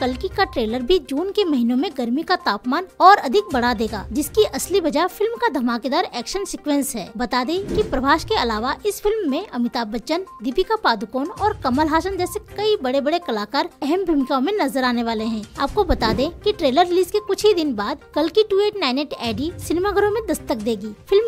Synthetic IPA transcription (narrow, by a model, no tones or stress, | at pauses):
kɐlkikaʈɾeːləɾbʱid͡ʒuːnkemɐɦinõmẽɡɐɾmikat̪aːpmaːnɔːɾɐd̪ʱɪk̚bɐɽad̪eːɡa̰ːd͡ʒɪskiʔɐslibɐd͡ʒafɪlmkad̪ʱɐmaːked̪aːɾɛːkʃənsɪkʋẽnsɦɛ̰ːbɐt̪ad̪ẽkipɾɐbʱaːʃkeɐlaːʋaʔɪsfɪlmːẽɐmɪt̪aːbət͡ʃənd̪ipikapaːd̪ʊkoːnɔːɾkɐməlɦaːʃənd͡ʒɛːsekɐibɐɽebɐɽekɐlaːkaːɾɛɦɛmbʱɾɐmɪkamẽnɐzəɾaːneʋaːleɦɛ̃ːaːp̚kobɐt̪ad̪ẽkiʈɾeːləɾːɪliːzkekʊt͡ʃʰid̪ɪnbaːd̪kɐlkiʈueːʈnaːɪneʈɛːɖisɪnemaɡʱəɾõmẽd̪ɐst̪ək̚d̪eːɡiːfʰɪlm